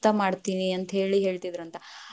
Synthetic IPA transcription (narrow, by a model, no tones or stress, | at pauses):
t̪ɐmaːɖt̪iːniɐnt̪ɐɦe̞ːɭiɦe̞ːɭt̪id̪ɾɐnt̪ɐ